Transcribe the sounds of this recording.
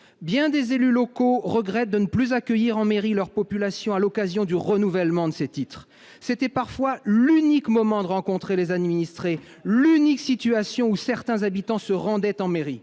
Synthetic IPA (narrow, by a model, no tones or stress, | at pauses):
bjɛ̃d̪ezelylɔkoʁəɡʁɛt̪̚d̪ənəplyzakʲəjiʁɑ̃meʁilœʁpɔpylasjɔ̃alɔkazjɔ̃d̪yʁənuvɛlmɑ̃d̪əset̪it̪χ | set̪ɛpaʁfwalynikmɔmɑ̃d̪əʁɑ̃kɔ̃t̪χelezad̪minist̪χe | lyniksit̪yasjɔ̃usɛʁt̪ɛ̃zabit̪ɑ̃səʁɑ̃d̪ɛt̪ɑ̃meʁi